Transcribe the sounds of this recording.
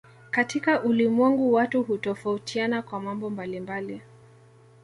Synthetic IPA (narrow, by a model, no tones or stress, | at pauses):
katikaʔulimwɛŋɡuwatuɦutɔfautʰianakwamambɔmbalimbali